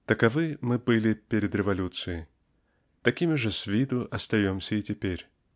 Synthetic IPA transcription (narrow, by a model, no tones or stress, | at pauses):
t̪əkɐvɨmɨbɨlʲɪpʲeɾʲɪd̪ɾʲɪvɐlʲut̪sɨjɪ | t̪ɐkʲimʲɪʐɨsʲvʲid̪ʊʔɐst̪ɐjomsʲəitʲɪpʲeɾʲ